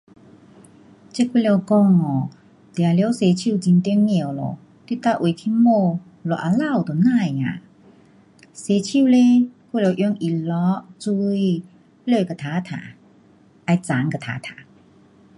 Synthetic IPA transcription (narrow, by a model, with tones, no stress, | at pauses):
t͡ɕe˥˧˨ku˥˨le˧˨kɔ˧ŋɔ˨˩ | t̪e˨a˨ljwse˧t͡ɕʰju˥˧˨t͡ɕi˧nt̪i˧˦ŋmi˧˨˩wlo̰˨˩ | t̪i˧t̪a˦˧˨ʔwk̪ʰi˧˥mo˥˧ | lo˨˩ʔa˨la˥˧˨wt̪o˨nã˥˧˨ja̰˨ | se˧t͡ɕʰi˥˧˨le˦ku˧˨le˧wʔjɔ˧˦ŋʔi˨˩lɔ˧˦ʔt͡su˧i˧ | lə˥˧˩ka˨˩t̪ʰa˨˦t̪ʰa̰˨˩˨ | ʔa˧jt͡sa˨˦ŋka˨˩t̪ʰa̰ː˨˦t̪ʰa̰˨˩˨